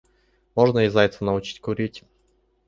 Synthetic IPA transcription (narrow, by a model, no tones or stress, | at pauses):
moʐnəɪzajʲt̪sənɐʊt͡ɕi̥tʲkʊɾʲitʲ